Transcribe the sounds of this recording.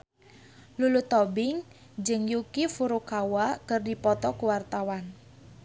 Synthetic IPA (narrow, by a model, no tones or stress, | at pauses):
lulut̪ɔbɪŋ | d͡ʒɨŋjukifuɾukawakərdipɔt̪ɔkuwart̪awan